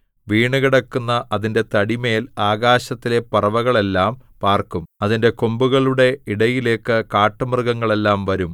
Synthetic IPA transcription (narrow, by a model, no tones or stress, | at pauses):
ʋiːɳuɣiɽɐkːunːɐʔɐðinde̞t̪ɐɽime̞ːlaːɣaːɕɐt̪ːile̞pɐrɐʋɐɣɐɭe̞lːaːmpaːrkumɐðinde̞ko̞mbuɣɐɭuɽe̞iɽɐjile̞ːkːɨkaːʈːɐmrɡɐŋːɐɭe̞lːaːmʋɐɾum